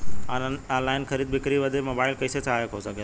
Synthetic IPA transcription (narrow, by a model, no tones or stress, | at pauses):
ãːnaːnlaːɪnxʰɐɾiːd̪̚bɪkɾiʋɐd̪ʱemoːbaːɪlkɐɪset͡sʰaːɦjekʰosɐɡʱe